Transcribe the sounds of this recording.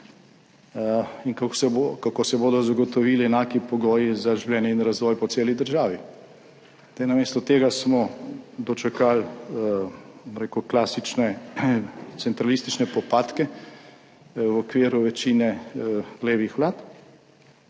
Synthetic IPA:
inkkakosɛboːd̪ɔzaɡɔt̪ɔʋilɛnaːkipɔɡɔːjizaʒiwlʲɛːnjɛinɾazʋɔːjpɔt̪seːlid̪əɾʒaːʋi | d̪ejnameːst̪ɔt̪eːɡasmɔd̪ɔt͡ʃɛkal | mɾekuklasit͡ʃnɛ | t̪sɛnt̪ɾalist̪it͡ʃnɛpɔpaːt̪kɛ | wɔkʋeːɾuʋɛt͡ʃinɛɡ̥leːʋixʋlaːt̪

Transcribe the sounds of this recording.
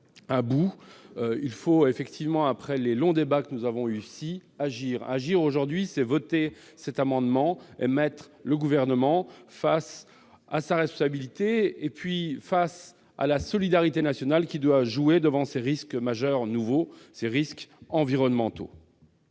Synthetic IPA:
abu | ilfoefɛkt̪ʰivmɑ̃apχɛlelɔ̃d̪ebakənuzavɔ̃ysiaʒiʁa̰ʒiʁoʒuʁd̪ɥisɛvɔt̪e | sɛt̪amɑ̃d̪mɑ̃ḛmɛt̪χləɡuvɛʁnəmɑ̃fas | a̰saʁɛspɔ̃sabilit̪eːpɥifas | a̰lasɔlid̪aʁit̪enasjɔnalkʲid̪waʒued̪əvɑ̃seʁiskmaʒœʁnuvoseʁiskɑ̃viʁɔnmɑ̃t̪o̰

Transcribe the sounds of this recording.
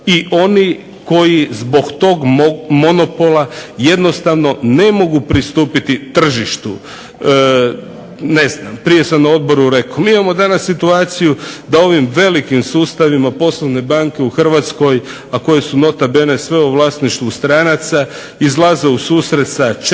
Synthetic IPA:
iʔo̞ni | ko̞jizbo̞ɡt̪o̞ɡmo̞nopo̞lˠaje̞d̪no̞st̪aʋno̞ne̞mo̞ɡupɾist̪uːpit̪it̪r̩ʒiʃt̪u | ne̞znampɾije̞sanao̞d̪bo̞ɾuɾe̞kʰomiːimamo̞d̪anasːit̪uaːt̪sijud̪ao̞ʋimʋe̞likimsuːst̪aʋimapo̞slˠoʋne̞baːŋke̞uxr̩ʋat̪sko̞j | ako̞je̞suno̞t̪abene̞sʋe̞uʋlˠaːsniʃt̪ʋust̪ɾanat̪sa | izlˠazeusuːsɾe̞t̪sat͡ʃ

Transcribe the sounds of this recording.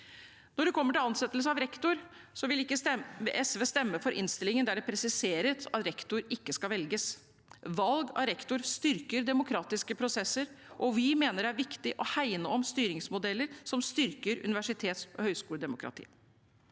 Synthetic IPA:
nɔɖʉkʰɔmːəʈɪlɑnsɛt̪ːəls̬əɑʋɾɛkt̪ʊɾ | sɔʋɪlɪəɛsʋəst̪ɛmːəfɔɾʔɪ̰nst̪ɪlɪŋənd̪æɖɛpʰɾɛsɪseːɾət̪ʰɑt̪ɾɛkt̪ʊɾɪkːəskɑʋɛlɡəs | ʋɑlɡɑ̰ɾɛkt̪ʊɾst̪ʏɾkəɾd̪ɛmʊkʰɾɑːt̪ɪskəpʰɾʊsɛsːəɾʔɔʋɪmeːnəɖɛæɾʋɪkt̪ɪʔɔhæɪnəɔmst̪yːɾɪŋsmʊd̪ɛlːəɾsɔmst̪ʏɾkəɾʉ̰nɪʋæʂɪt̪ʰeːt̪sɔhœʏskuːəd̪ɛmʊkʰɾɑ̰t̪ʰḭː

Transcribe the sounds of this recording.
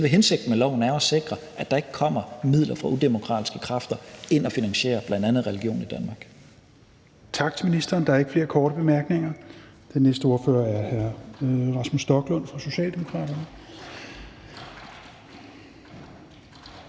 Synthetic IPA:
ʋeɦense̝ɡ̥̚d̥n̩mælɒʊ̰n̩æɐɒ̽se̝ɡ̥ʁɐʔæd̥ɑ̈e̝ɡ̥ə̥kʰɒ̽m̰ɐmið̞̰ˠlɐfʁɑ̈ud̥e̝mo̝kʰʁɑ̰̈ːd̥i̥sɡ̥ə̥kʰʁɑ̈fd̥ɐe̝nɒfinæŋɕe̝̰ːɐb̥lænd̥ænð̞̩ˠʁɛliɡ̥jo̝̰ːnid̥ænmɑ̈ːɡ̥ | t͡sʰɑ̈ɡ̥̚d̥minisd̥ɐːnd̥ɑ̈æɐe̝ɡ̥əfle̝ːɐkʰɒːɾ̥əb̥e̝mæɐɡ̥ne̝ŋɐ | d̥enːesd̥əo̝ɐfø̰ːɐæɐhæɐʁɑ̈smusd̥ɒ̽ɡ̥lɔ̽n̰fʁɑ̈so̝ɕɛ̰ːld̥emo̝kʰʁɑ̰̈ːɾ̥ɐnə

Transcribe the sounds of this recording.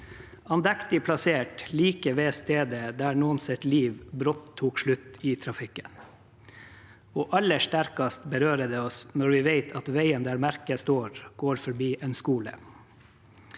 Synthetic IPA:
ɑnd̪ɛkt̪ɪpʰlɑseːʈliːkəʋeːst̪eːd̪əd̪æːɳuːənsɛt̪liːʋbɾɔt̪ʰːuːkʃɭʉt̪ɪːt̪ʰɾɑfɪkːən | oːʔɑlːəʂʈæɾkɑst̪bəɾøːɾəd̪ɛɔsnɔɾʋɪːʋeɪt̪ʰɑt̪ʋæɪənd̪æːɾmæɾkəst̪oːɾɡ̥oːɾfɔɾbiːʔeːnskuːlə̰

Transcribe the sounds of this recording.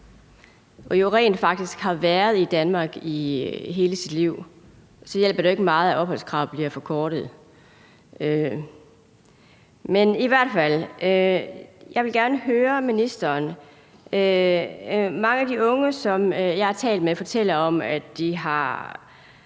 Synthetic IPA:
ʔɒoʁɛ̰ːnfɑ̈ɡ̥̚d̥isɡ̥hɑ̈ʋæɐð̞ˠid̥ænmɑ̈ːɡ̥iɦe̝ːləsid̥liʊ̰ | sɒ̽jel̰b̥ɐɾ̥ee̝ɡ̥əmɑ̈ːð̞̩ˠæʔɒ̽b̥hɒ̽l̰skʰʁɑ̈ʊ̰b̥liɐfɒ̽kʰɒːɾ̥ð̞̩ˠ | ø | meniʋæɐ̰d̥fæl̰øjɑ̈ɪʋelɡ̥æɐnəɦøːɐminisd̥ɐːn | ø | mɑ̈ŋəæd̥iɔ̽ŋəsɒ̽mjɑ̈ɪhɑ̈t͡sʰɛ̰ːld̥mefɒ̽t͡sʰel̰ɐɒ̽mædd̥iɦɑ̈

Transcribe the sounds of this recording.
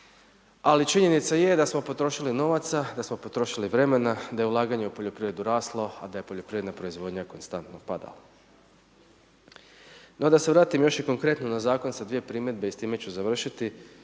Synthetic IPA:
alit͡ʃiɲe̞nit̪saje̞d̪asmo̞pot̪ɾo̞ʃilino̞ʋat̪sad̪asmo̞po̞t̪ɾo̞ʃiliʋɾe̞me̞nad̪ajeulˠaːɡaɲe̞upo̞ʎo̞pɾiʋɾe̞d̪uɾaːslˠo̞a̰d̪aje̞po̞ʎopɾiːʋɾenapɾo̞izʋo̞d̪ɲako̞nst̪ant̪nopad̪a̰la̰ | nod̪ase̞ʋɾaːt̪imjo̞ʃjiko̞ŋkɾe̞t̪nonazaːko̞nsad̪ʋije̞pɾiːme̞d̪̚beist̪iːme̞t͡ɕuzaʋr̩ʃit̪i

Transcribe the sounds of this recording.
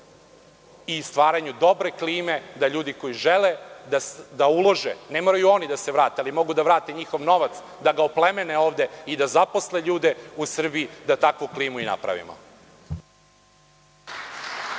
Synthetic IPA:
ist̪ʋaːɾaɲud̪o̞bɾe̞kliːme̞d̪aʎuːd̪iko̞jiʒeled̪ad̪aulˠo̞ʒenemoɾajuo̞nid̪aseʋɾaːt̪ealimo̞ɡud̪aʋɾaːt̪e̞ɲixo̞ʋno̞ʋat̪s | d̪aɡaoplemeneo̞ːʋd̪e̞id̪azapo̞sleʎuːd̪eusr̩biid̪at̪akʋukliːmuina̰pɾa̰ʋḭmo̰

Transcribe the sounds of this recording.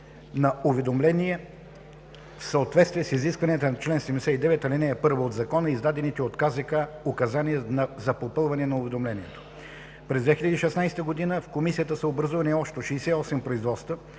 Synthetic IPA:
nɐʊvɛd̪omlɛniɛ | fsəot̪vɛt̪st̪viɛsiziskvɐniət̪ənɐt͡ʃlɛnsɛd̪ɛmd̪ɛsɛid̪ɛvɛt̪ɐlinɛɛpɤɾvoːd̪zɐkɔnəizd̪ad̪ɛnit̪ɛot̪kazəkaokɐzaniɛnɐzɐpopɤlˠvɐnɛnɐʊvɛd̪omlɛniɛt̪o̥ | pɾɛzd̪vɛxʲilʲəd̪iːʃɛsnajsɛ̥t̪əɡod̪inəfkomisijət̪əsɐobɾɐzuvɐniɔʃt̪oʃiːsɛiɔsɛmpɾoizvɔt̪st̪ə

